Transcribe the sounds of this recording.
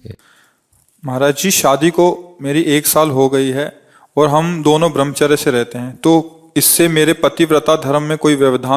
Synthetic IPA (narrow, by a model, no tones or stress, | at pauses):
mɐɦɾaːd͡ʒd͡ʒiʃaːd̪ikomeːɾiʔeːksaːlɦoɡɐiɦɛ | ɔːɾɦɐmd̪oːnõbɾəmt͡ʃəɾeseɾɛɦt̪eɦɛ̃ːt̪oː | ɪsːemeːɾepɾɐt̪ɪʋɾət̪ad̪ʱɐɾəmːẽkoːiʋjəʋd̪ʱaː